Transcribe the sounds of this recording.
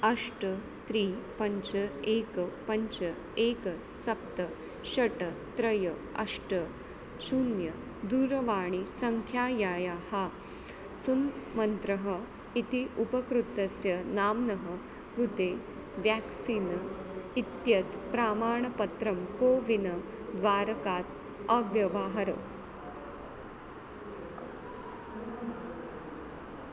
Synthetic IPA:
ɐʂʈɐ | t̪ɾiːpɐɲt͡ʃɐeːkɐpɐɲt͡ʃɐ | eːkɐ | sɐp̚t̪ɐ | ɕɐʈɐt̪ɾɐjɐɐ̰ʂʈɐ | suːnjɐ | d̪uːɾɐʋaːɳ̃isɐŋkʰjaːjaːjaha | sunmɐnt̪ɾɐɦɐ | it̪iupɐkɾut̪ːɐsjɐnaːmnɐɦɐ | kɾut̪eː | ʋjaːksiːnɐit̪jɐt̪pɾaːmaːɳɐpɐt̪ɾɐmkoːʋinɐ | d̪ʋaːɾɐkaːt̪ | ɐʋjɐʋaːɦɐɾɐ̰

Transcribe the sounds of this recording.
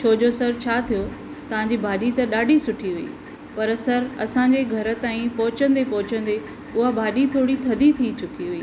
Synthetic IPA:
t͡ɕʰoːd͡ʑosɐɾt͡ɕʰaːt̪ʰijo | t̪ɐʋ̤ãɲd͡ʑibʱaːɗit̪ɐɗaːɖʱisʊʈʰiɦiḭː | pɐɾsɐɾɐsãɲ̆d͡ʑeɡʱɐɾə̆t̪aːĩpɐɦʊt͡ɕə̃nd̪epɐɦʊt͡ɕə̃n̆d̪e | ʊɦabʱaːɗit̪ʰoːɽit̪ʰɐd̪ʱit̪ʰit͡ɕʊkiɦuiː

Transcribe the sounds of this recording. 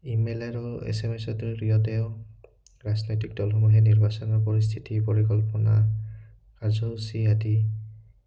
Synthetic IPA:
imeleɹɔḛsemesɔdɔɹɹijɔtɛʊ | ɹaznɔjtik̚dɔlɦɔmuɦɛniɹbasɔnɔɹpɔɹis̬t̪ʰitipɔɹikɔlpɔna | kaɹzɔɦusiadi

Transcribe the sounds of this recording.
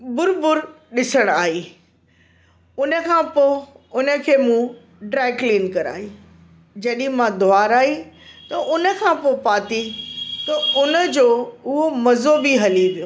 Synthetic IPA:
bʊɾbʊɾ | ɗɪsəɽ̃aːɦiː | ʊnə̆kʰãːpoː | ʊnə̆kʰeːmũ | ɖɾɛːkliːnkɐɾa̰ːɦi | d͡ʑɐɗĩmãd̪ʱʊaːɾaːɦit̪ɐʔʊnə̆kʰãːpoːpaːt̪it̪ɐʊnə̆d͡ʑoːʊɦomɐzobiɦɐliʋijoː

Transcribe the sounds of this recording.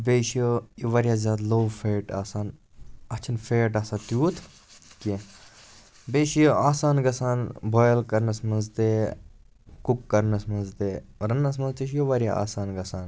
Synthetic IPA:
beːʃjojoʋɐɾʲjaːzʲjaːd̪loːwfeːʈaːsaːn | ɐt͡ʃʰɐnfeːʈ̬aːsaːt̪juːt̪ʰ | ke | beːʃjoaːsaːnɡɐsaːnbʱɔːjlkɐɾnɐsmɐnzt̪eː | kukːɐɾnɐsmɐnzt̪eːɾɐnɐs̬mɐnzt̪iʃjoʋɐɾja̰a̰ːsaːnɡɐsaːn

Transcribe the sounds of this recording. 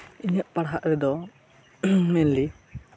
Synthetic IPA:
iɲəʔpaɽɦaʔɾɛd̪ɔ | mɛnli

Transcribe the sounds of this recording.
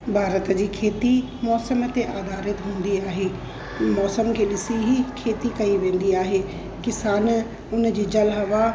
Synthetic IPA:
bʱaːɾət̪d͡ʑiːkʰeːt̪i | mɔːsəmt̪eʔaːd̪aːɾɪt̪ɦũːn̆d̪iaːɦeː | mɔːsəmkʰeːɗɪsiɦikʰeːt̪ikɐiʋẽːn̆d̪iaːɦeː | kɪsaːn | ʊnə̆d͡ʑiːd͡ʑɐlɦɐʋa

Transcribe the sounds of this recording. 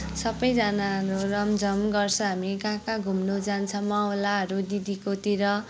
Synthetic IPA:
sʌbʌjd͡zanaɾurʌmd͡zʱʌmɡʌrt͡sʰʌ̃ɦamiɡãkaɡʱumnod͡zant͡sʰʌmawlaɦʌɾud̪id̪ikot̪iɾʌ

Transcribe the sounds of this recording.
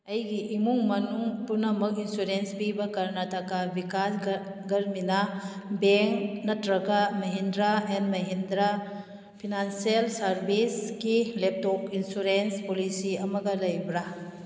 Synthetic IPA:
ɐjɡiʔimuŋmɐnuŋpunɐmɐkinsuɾenspibɐkɐɾnɐtʰɐkabikas | ɡɐɾminɐ | beŋknɐtɾɐɡɐmɐɦendɾaenmɐɦendɾa | pʰinansielsɐɾbisɡilep̚tokinsuɾenspolisiɐmɐɡɐlɐjbɾa

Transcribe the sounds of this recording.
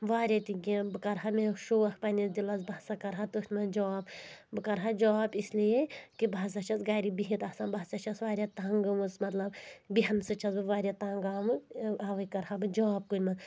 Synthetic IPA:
ʋaːɾʲɐt̪iɡʲibɨkɐɾɦameʃoːɐxpɐnizd̪ilɐzbɐsakɐɾɦat̪uʃʲmɐd͡ʒɔːbbɨkɐɾɦad͡ʒɔːbislijekibʱas̬ɐt͡ʃʰɐsɡaːɾibiɦit̪asaːnbaːsɐt͡ʃʰɐsʋaːɾʲjat̪aŋɡɨmɨsmɐt̪lɐbbiɦɐnsɨt͡ʃʰɐzbɨʋaːɾʲat̪aːŋɡaːmɨaːʋɐjkɐɾhabɨd͡ʒɔːb̚kunʲmɐz

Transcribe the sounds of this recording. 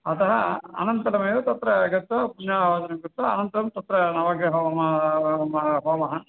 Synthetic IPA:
ɐt̪ɐɦɐɐ̰nɐnt̪ɐlɐmeːd̪ɐt̪ɐt̪ɾɐɡɐt̪ːɐpunjaːʋaːd͡ʒ̪ɐnɐmɡɐt̪ːɐɐ̰nɐnt̪ɐlɐmt̪ɐt̪ːɾɐnɐʋaːɡɐɦomɐmɐɦoːmɐɦɐ

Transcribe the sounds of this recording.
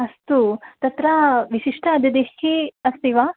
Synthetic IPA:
ɐst̪ut̪ɐt̪ɾaʋiʃiʂʈɐːd̪ɐd̪eheɐst̪iʋaː

